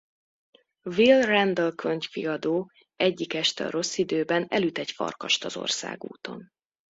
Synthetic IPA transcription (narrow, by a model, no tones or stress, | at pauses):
vilrɛnd̪ølkʰøɲcfiɒd̪oː | ɛɟːikɛʃt̪ɛɒɾo̞sːid̪øːbɛnɛ̰lyt̪ɛcfɒ̰rkɒʃt̪ɒzo̞̰rsa̰ːɡṵːt̪o̞̰n